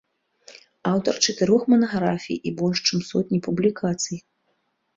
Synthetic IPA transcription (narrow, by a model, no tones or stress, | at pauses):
awt̪ɐrt͡ʂɐt̪ɨɾɔxmɐnɐɣɾafʲḭjibɔlʲʂt͡ʂɨmsɔt̪ʲnʲipublʲikʰat̪sɨj